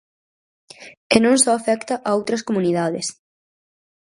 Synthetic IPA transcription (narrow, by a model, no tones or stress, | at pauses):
ɪnõŋsɔafɛkt̪ɐʔaowt̪ɾɐskomuniðaðɪs